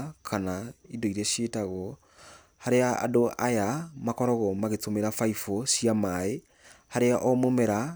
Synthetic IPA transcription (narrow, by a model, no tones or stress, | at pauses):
kʰanaidoiɾɛɕetaɣɔ | haɾeaa̰doʔajamakɔɾɔɣɔmaɣetomeɾafaifɔsiamae | haɾeaʔɔmomɛɾa